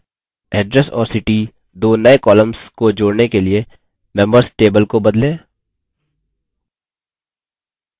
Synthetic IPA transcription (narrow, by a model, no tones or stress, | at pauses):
ɛːɖɾɛsɔ̰ːɾsɪʈi | d̪oːnɐekɔːləmzkod͡ʒoːɽnekelie | mɛ̃mbəɾsʈeːbəlkobɐd̪lẽː